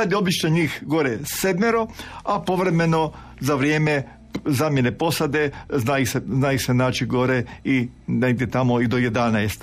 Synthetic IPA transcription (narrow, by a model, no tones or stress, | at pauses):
ad̪io̞bit͡ʃneɲiːxɡo̞ɾesed̪meɾo̞apo̞ʋɾeme̞no̞ | zaʋɾjeːme | zaːmjene̞po̞sad̪e̞znajiseznaːjusenaːt͡ʃiɡo̞ɾei | neid̪et̪amoid̪oje̞d̪anaest̪